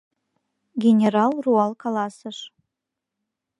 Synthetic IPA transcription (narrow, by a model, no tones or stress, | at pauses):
ɡʲenʲeɾɑlˠruɑlˠkɑlˠɑsəʂ